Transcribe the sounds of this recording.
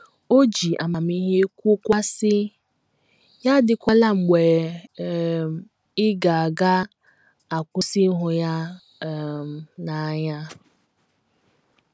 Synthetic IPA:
o˦d͡ʒi˨ʔa˨ma˨mi˦ɦe˦kʷu˦kʷa˦sɪ˦ | ja˦dɪ˨kʷa˦la˦ŋ͡m̩˨ɡ͡be˨ | ɪ˦ɡa˨a˨ɡa˦ | a˨kʷʊ˦si˦ɦʊ˨ja˦˨ | na˨˦ɲa˦

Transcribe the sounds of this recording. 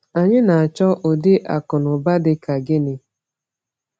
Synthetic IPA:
a˨ɲɪ˦na˨a˨t͡ʃɔ˦ʔo˨dɪ˦ʔa˨kʊ˨nʊ˨ba˦dɪ˦ka˨ɡɪ˦nɪ˦

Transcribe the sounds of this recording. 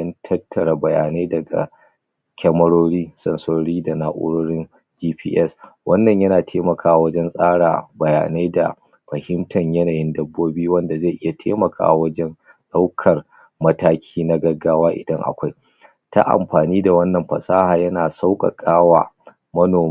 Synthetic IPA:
ɐ˦ntʰɐ˦tːɐ˨ɽa˨bɐ˨jaː˨ne˦dɐ˨ɡa̰˨ | kʲɐ˦mɐ˦ɽoː˦ɽiː˦sɐ˨nsoː˦ɽiː˦da˨naː˦ʔʊ̰˦ɽoː˦ɽɪ˦n | d͡ʒiː˦ɸiː˦ʔɛ˦˨swɐ˦nːɐ˨ɲjɐ˦naː˨tʰeː˦mɐ˨kʰaː˦a˨wɐ˦d͡ʒɛ˦nsʼaː˦ɽa̰ː˨bɐ˨ja̰ː˨na˦da̰˨ | ɸɐ˨hɪ˦mtʰɐ˨ɲjɐ˦naː˨jɪ˦ndɐ˦bːoː˦biː˦wɐ˦nda˨ze˦˨ʔɪ˦ja˨tʰḛː˦mɐ˨kʰa̰ː˨wɐ˦d͡ʒɛ˦n | ɗa˦wkʰɐ˨r | mɐ˦taː˦kʲʰiː˦na˦ɡɐ˦ɡːaː˦waː˦ʔɪ˨dɐ˦ŋʔa̰˨kʷa˦j | ta̰˦ʔa̰˨mɸaː˨niː˦da˨wɐ˦nːɐ˨mɸɐ̰˨saː˦haː˨jɐ˦naː˨sa˦wkʼɐ̰˨kʼaː˦waː˨ | mɐ˦noː˨

